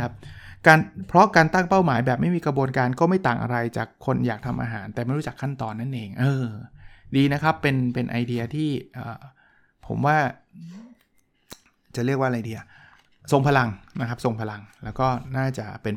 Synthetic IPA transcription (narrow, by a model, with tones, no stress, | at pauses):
a˦˥p̚kaː˧npʰɾɔ˦˥kaː˧nt̪a˥˩ŋpa˥˩wmaː˩˦jbɛː˨˩p̚ma˥˩jmiː˧kɾa˧bu˧nkaː˧nkɔː˥˩ma˥˩jt̪aː˨˩ŋʔa̰˧ɾa˧jt͡ɕa̰ː˨˩kʰːo˧njaː˨˩k̚t̪ʰa˧mʔa̰˧ɦaː˩˦nt̪ɛː˨˩ma˥˩jɾu˦˥t͡ɕa˨˩kʰːa˥˩nt̪ɔː˧nːa˥˩nʔeː˧ŋʔɤː˧diː˧na˦˥kʰa˦˥pːe˧npe˧nʔa̰˧jdi˧ɐ˧t̪ʰiː˥˩ʔɤː˨˩ | pʰo̰˩˦mwaː˥˩ | t͡ɕa˨˩ɾi˥˩ək̚waː˥˩˧ɾa˧jdiː˧ɐ˧ | so˨˧ŋpʰa˧la˧ŋna˦˥kʰa˦˥p̚so˨˧˩ŋpʰa˧la˧ŋlɛː˦˥wkɔː˥˩naː˥˩t͡ɕa˨˩pe˧n